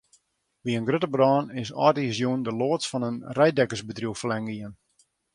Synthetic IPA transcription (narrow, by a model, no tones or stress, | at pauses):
ʋiənɡrøtəbrɔːnɪsɔ̰ːtizjuəndəloːətsfɔnənrɛjdɛkəsbətrjuwfəlɛŋɡiən